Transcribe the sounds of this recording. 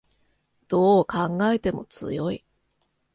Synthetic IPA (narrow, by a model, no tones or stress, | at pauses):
d̪̥o̞ːkãŋɡae̞t̪e̞mo̞t͡sɨ̰jo̞i